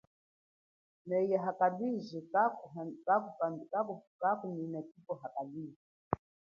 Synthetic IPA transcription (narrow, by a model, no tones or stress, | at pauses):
nɛijaɦakabiʒikakakukakukakuninɛkipɔɦakabiʒi